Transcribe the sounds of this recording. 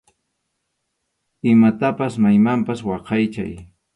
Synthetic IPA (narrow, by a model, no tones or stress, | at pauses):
ɪmat̪apasmajmampaswɑqɑjt͡ʃa̰j